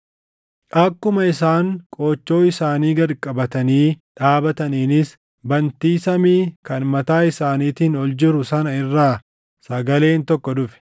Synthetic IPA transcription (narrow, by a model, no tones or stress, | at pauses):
ʔɐkːʊmɐɪs̬aːŋkʼoːt͡ʃːo̞ːɪsaːniːɡɐɾkʼːɐbɐt̪ɐniːᶑaːbɐt̪ɐniːnɪs | bɐnt̪iːsɐmiːkɐnmɐt̪aːɪsaːniːt̪iːnɔld͡ʒɪɾʊsɐnɐɪrːaː | sɐɡɐle̞ːnt̪ɔkːɔd̪ʊfɛ̥